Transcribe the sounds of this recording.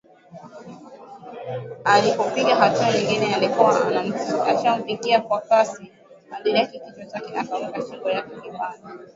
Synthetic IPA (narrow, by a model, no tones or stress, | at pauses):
alipɔpiɠaɦatuaɲiŋɡinɛalikuwaanam̩at͡ʃam̩piɠiakwakasi | aliɾɛkikit͡ʃwat͡ʃakɛʔa̰kawɛkaʃiɡɔjakɛlipala